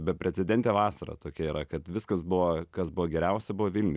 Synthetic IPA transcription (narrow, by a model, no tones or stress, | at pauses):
bʲɛpʲɾʲɛt͡ssʲɛd̪ʲɛnʲt̪ʲɛʋɑːsɐɾɐ̰t̪oːkʲɛiːɾɐkɐt̪ʋʲɪskɐsbʊʋokɐsbʊʋɔɡʲɛɾʲɛʊsʲɛbʊʋoːʋʲɪlʲnʲɪ